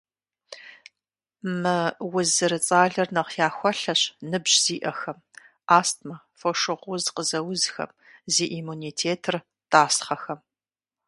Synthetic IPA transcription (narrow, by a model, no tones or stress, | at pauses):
mɨwʊzɨɾɨt͡sʼaːɮɐrnɐqjaːxʷɔɬɐɕnɨbʑz̥iːʔɐxɐm | aːstmɐ | foʂɨʁʷʊzqəzɐwʊzxɐ̰m | zeːʔimuːniːtʰeːtʰɨr | taːsχɐxɐm